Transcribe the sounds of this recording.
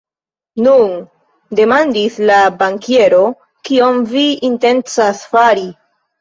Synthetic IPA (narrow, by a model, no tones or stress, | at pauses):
nun | de̞mandislabaŋke̞ɾo̞ | kio̞mviːnte̞nt͡sasfaɾi